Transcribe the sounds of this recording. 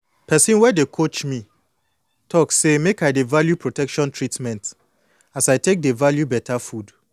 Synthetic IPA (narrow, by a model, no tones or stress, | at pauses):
pʰɛsĩnwɛdekʰot͡ʃmĩ | tʰɔkssemekajdevaljupʰɹotʰɛkʃɔ̃ntʰɹitmɛ̃nt | asajtʰek̚devaljubɛtʰafud